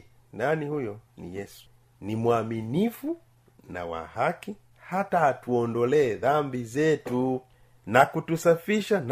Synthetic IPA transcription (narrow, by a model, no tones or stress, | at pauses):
nanihujɔnḭjɛsu̥ | nimwaminifu | na̰wa̰haki | hataːtuɔndɔlɛːðambizɛtu | nakutusafiʃan